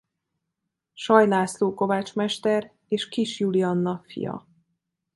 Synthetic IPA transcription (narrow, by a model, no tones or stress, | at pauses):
ʃɒjlaːsloːko̞vaːt͡ʃmɛʃt̪ɛr | eːʃkiʃjulijɒnːɒfḭjɒ̰